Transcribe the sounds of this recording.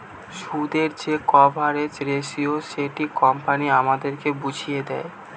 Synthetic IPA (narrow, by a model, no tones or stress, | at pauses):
ʃud̪eɾd͡ʑekɔbʱaɾed͡ʑɾeʃioʃeʈikɔmpaniamad̪eɾkebud͡ʑʱijed̪ɛe